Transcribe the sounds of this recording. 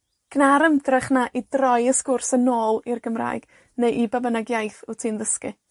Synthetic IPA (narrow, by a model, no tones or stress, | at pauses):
ɡ̥naɾəmdrɪχnaʔidrɔjəskʊrsənoːlˠirɡəmra̰ːjɡ̥ | nejʔibabənaɡjajθʊtʰiːnðəskɨ